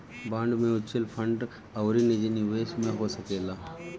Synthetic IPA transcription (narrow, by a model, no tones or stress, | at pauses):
bãːɳɖmẽʊt͡ʃəlpʰəɳɖ | ɐwɾinẽd͡ʒeniʋeːsmẽɦosɐkeːlaː